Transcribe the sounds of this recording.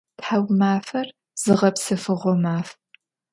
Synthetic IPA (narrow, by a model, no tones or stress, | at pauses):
pħawmaːfɐr | z̥ɨʁɐpsɨfɨʁʷɔmaːf